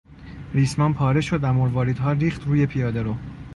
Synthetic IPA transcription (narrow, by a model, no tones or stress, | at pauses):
ɾiːsmɒːnpʰɒːɾe̞ʃod̪æmoɾvɒːɾid̪ɦɒːɾiːxt̪ɾuːjepʰijɒːd̪eɾo